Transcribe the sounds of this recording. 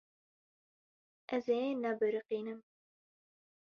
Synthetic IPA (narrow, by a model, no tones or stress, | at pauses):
ʔɛzejenabɨɾɨqiːnɨm